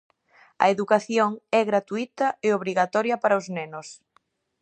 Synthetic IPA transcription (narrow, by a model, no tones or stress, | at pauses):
ɐ̰eðukaθjoŋɛɣɾat̪uit̪ɐeoβɾiɣat̪ɔɾjɐpaɾɐʊznenʊs